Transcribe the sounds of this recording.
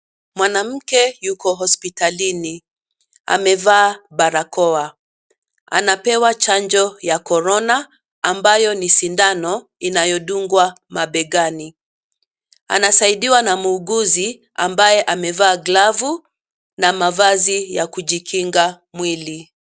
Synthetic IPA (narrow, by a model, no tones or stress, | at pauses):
mwanam̩kɛjukɔɦɔspitalini | a̰mɛvaːɓaɾakɔa | a̰napɛwat͡ʃaɲd͡ʒɔjakɔɾɔnaː | mbajɔnisindanɔ | inajɔɗuŋɡwa | maɓɛɠani | a̰nasaiɗiwanamuːɡuzi | ambajɛʔamɛvaːɡlavu | namavazijakuʄikʰiŋɡa | mwili